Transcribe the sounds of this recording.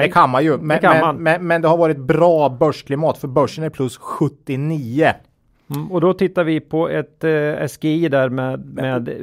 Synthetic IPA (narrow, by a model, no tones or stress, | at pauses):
d̪ɛkʰanmanjɵmɛɛmɛnmɛnd̪ɛhaɾvɑːɾɪt̪̚bɾɑːbœʂkʰlɪmɑːt̪fœɾbœʂːənæɾpʰlɵsɧɵt̪ːɪniːə | ɔd̪ɔt̪ɪt̪ːaɾvɪpʰɔɛt̪ɛ̰sɡeiːd̪æɾmeːmeːd̪